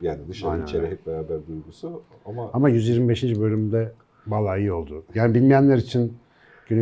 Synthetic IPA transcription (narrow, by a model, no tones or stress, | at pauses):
jaːnid̪ɯʃaanit͡ʃʰeɾɛɦɛcbeɾaːbæɾd̪ujɡusu | amaamajyzjiɾmibe̞ʃind͡ʒbø̞lʲymd̪ɛ | balˠaːjɯo̞lˠd̪ujaːnibilʲmijænlʲæɾit͡ʃʰin | ɟyny